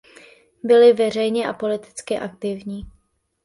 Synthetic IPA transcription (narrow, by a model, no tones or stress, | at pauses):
bɪlɪvɛr̝ɛjɲɛʔapo̞lɪt̪ɪ̥t͡skɪʔak̚t̪ɪvɲiː